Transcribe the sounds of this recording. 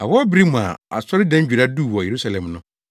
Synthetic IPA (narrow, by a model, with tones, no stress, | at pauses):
a˨wɔ˦bɾi˦mũ˨a̰˨a̰˨sɔ˦ɾɪ˦dɛ̃˦u˨ɾa˦duː˦˨wɔ˨je˨ɾu˦sa˨lɛ̃˨mnʊ̃˦